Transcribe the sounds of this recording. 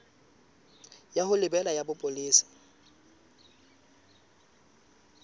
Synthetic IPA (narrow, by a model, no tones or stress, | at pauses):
jahʊlɪbɛlajabʊpʼʊliːsɪ̥